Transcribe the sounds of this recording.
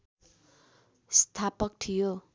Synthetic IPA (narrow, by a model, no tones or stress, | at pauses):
st̪ʰapʌk̚ʈ̪ʰijo